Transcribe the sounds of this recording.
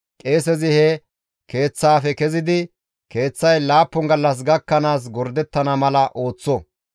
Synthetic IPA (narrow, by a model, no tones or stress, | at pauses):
kʼeːs̬ɛzɪhɛ | ke̞ːt͡sːaːfɛkɛzɪd̪ɪ | ke̞ːt͡sːɐjlaːpːɔŋɡɐlːɐs̬ɡɐkːɐnaːs̬ɡɔɾd̪ɛt̪ːɐnɐmɐlɐʔo̞ːt͡sːɔ